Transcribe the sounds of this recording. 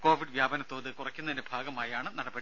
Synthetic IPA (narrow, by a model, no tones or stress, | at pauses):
ko̞ːʋiɖʋjaːbɐnɐt̪ːo̞ːðɨkurɐkʲːunːɐðindebʱaːɡɐmaːjaːɳɨnɐɽɐbɐɽi